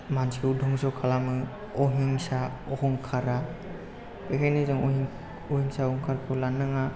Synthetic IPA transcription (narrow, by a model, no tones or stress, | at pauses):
mansiudʱɔŋsɔkʰalamɯ | ɔɦiŋsaɔhɔŋkʰaɾa | ekʰajnizɔŋɔɦi | ɔhiŋsahɔŋkʰaɾkʰɯwlanːaŋa